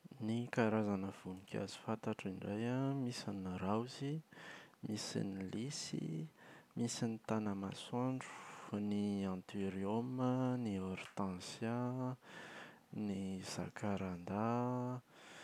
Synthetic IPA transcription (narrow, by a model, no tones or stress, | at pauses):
nikaɾazanəv̥unikʲa̰zi̥fant̪aʈ͡ʂiɳɖ͡ʐajamisinɾawzi | misḭnilisḭmisinit̪anəmaswaɳɖ͡ʐu̥niãnt̪iɾiomənioɾt̪ãnsja | niz̥a̰kʰaɾand̪a